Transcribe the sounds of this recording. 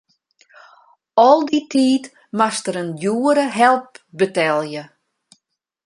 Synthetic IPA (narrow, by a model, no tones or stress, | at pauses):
ɔlˠditʰiːt | mastəɾənjuːəɾəɦɛlˠp̚bətɛlˠjə